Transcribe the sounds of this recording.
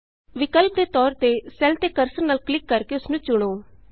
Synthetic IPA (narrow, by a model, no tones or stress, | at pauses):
ʋɪkəlp̚d̪eːt̪ɔːɾt̪eːsɛlt̪eːkəɾsəɾnaːlklɪkːəɾkeːʊsnũːt͡ʃʊɽ̃oː